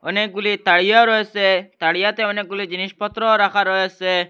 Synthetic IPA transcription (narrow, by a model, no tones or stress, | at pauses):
ɔnek̚ɡulit̪aɽijɔɾɔɦeset̪aɽijat̪eɔnek̚ɡulid͡ʒiniʃpɔt̪ɾɔɾakʰaɾɔɦese